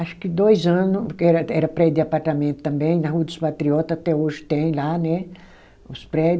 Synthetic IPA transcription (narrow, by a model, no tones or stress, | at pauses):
aʃʊ̥kɪd̪ojzɐ̃nʊɛɾɐɛɾɐpɾɛd̪ɪapaɾt̪amẽnt̪ʊ̥t̪ɐ̃mbẽj̃nɐɦuɐd̪ʊspat̪ɾiɔt̪ɐat̪ɛoʒɪ̥t̪ẽj̃lanɛ | ʊspɾɛ